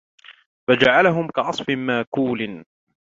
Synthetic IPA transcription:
fad͡ʒaʕalaɦʊmkaʕɑsˤfɪmaːkuːlɪn

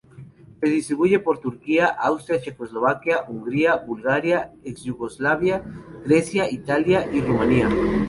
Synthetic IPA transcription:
peðist̪ɾiβuʝepoɾt̪uɾkiaʔawst̪ɾjat͡ʃekozloβ̞akjaʔuŋɡɾiaβulɣaɾjaeksʝuɣozlaβjaɣɾesjait̪aljaʔirumãnia

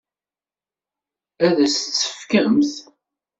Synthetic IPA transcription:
æðæst͡sːə̥fkəmθ

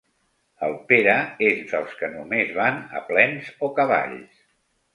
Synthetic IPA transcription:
əlˠpeɾəezd̪əlˠskənumezβanə̰plɛnzokəβ̞a̰ʎs

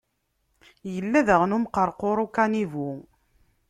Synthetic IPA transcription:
jəlːæðəʁnumqəɾˤqoɾˤukanivu

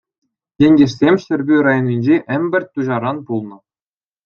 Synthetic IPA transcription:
jʲenʲɡʲĕʂsʲemʲɕɘ̆rʲbʲyɾɑjɤ̆nʲinʲd͡ʑeʔɘ̆mʲbʲɘ̆r̚ʲt̪ːuʑɑɾɑnpulˠnɤ̆

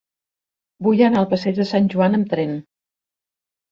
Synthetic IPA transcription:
bujənaəlˠpəsɛʒðəsanʲʒuanəmt̪ɾɛn

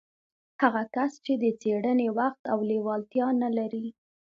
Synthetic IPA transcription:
haɣakast͡ʃed̪ət͡seɽənewaxt̪awlewɑlt̪jɑnalaɾi

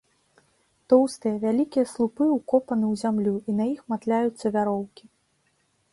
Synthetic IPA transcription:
t̪ɔwst̪ɨjɐvʲalʲikʲijɐslˠupɨukɔpɐnɨwzʲamlʲuʔinɐjixmat̪lʲajut̪sːɐvʲaɾɔwkʲi

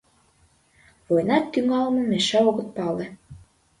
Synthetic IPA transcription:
vojnɑt̪ːyŋɑlmɤ̆meʃæoɣə̆t̪̚pɑlĕ

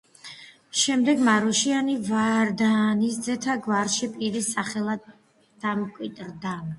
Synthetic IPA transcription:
ʃɛmd̪ɛɡmaɾɔʃianivaɾd̪anisd̪zɛt̪ʰaɡvaɾʃipʼiɾisaχɛlˠad̪ | d̪̥amkʼwit̪ʼɾd̪a

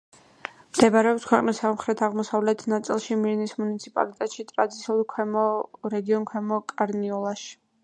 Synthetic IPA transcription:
md̪̥ɛbaɾɛɔpskʰwɛqʼnisːamχɾɛt̪ʰaʁmɔsavlɛt̪ʰnat̪sʼilˠʃimiɾnismunit̪sʰipʼa̰lit̪ʼɛt̪ʃit̪ʼɾad̪it̪sʰiulˠkʰwɛmɔɾɛɡiɔnkʰwɛmɔkʼaɾniɔlˠaʃi̥

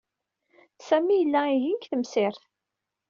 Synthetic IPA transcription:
sæmijəlːæiʝikθəmsɪɾθ

